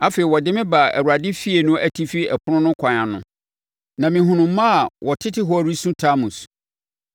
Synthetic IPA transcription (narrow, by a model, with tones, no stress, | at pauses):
a˦feː˨i˨wɔ˨dɪ˦mɪ̃˦ba˨æ̰˨ɾu˨a˨dɪ˦fi˦e˨nʊ̃˦æ˨tʰi˦fi˦ɛ˨pʰʊ˦nʊ̃˦nʊ̃˦kʰa˨ɲ˨ã˨nʊ̰̃˨ | nã˨mɪ̃˨ɦʊ̃˨nʊ̃˨˦mã˦a˨wʔɔ˨tʰɪ˦tɪ˦ɦɔ˦˨ɾi˦sũ˦tʰa˦mũ˨s